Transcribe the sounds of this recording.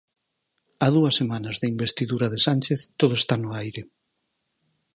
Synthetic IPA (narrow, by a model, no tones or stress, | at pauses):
að̞uɐsːemanɐzðeimbest̪iðuɾaðesanʲt͡ʃeθt̪oð̞oest̪anʊajɾe